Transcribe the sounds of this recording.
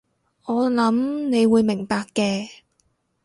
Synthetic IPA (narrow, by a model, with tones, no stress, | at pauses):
ʔɔː˨˧lɐ˨˥mne˨˧jwuː˨˧jmɪ˨˩ŋpaː˧kːɛː˧